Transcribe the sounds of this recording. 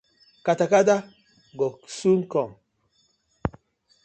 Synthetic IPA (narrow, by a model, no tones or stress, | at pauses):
katakada | ɡɔsuŋkɔŋ